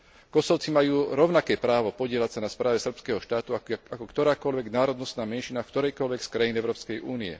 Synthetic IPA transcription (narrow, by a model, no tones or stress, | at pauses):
kɔsɔʊt͡simajuːɾɔʊnakɛːpɾaːʋɔpɔɟɪɛlacsanaspɾaːʋɛsr̩pskɛːɦɔʃt̪aːt̪uakɔkt̪ɔɾaːkɔlʋɛɡnaːɾɔd̪nɔst̪naːmɛnʃinafkt̪ɔɾɛjkɔlʋɛkskɾajinɛʊɾɔːpskɛjuːniɛ̰